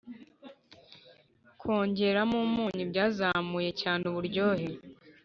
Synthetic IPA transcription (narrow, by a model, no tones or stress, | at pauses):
kʰo̞ːɲɟe̞ɾamumuːɲibɟaːzamuje̞caːneuβuɾɟo̞ːɦe